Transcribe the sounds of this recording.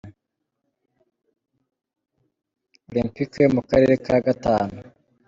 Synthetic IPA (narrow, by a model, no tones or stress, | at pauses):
olĩmpikjemukaɾe̞ɾekaɡataːnu